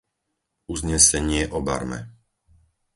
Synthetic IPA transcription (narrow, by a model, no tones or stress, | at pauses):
uzɲɛsɛɲɪɛʔɔba̰ɾmɛ̰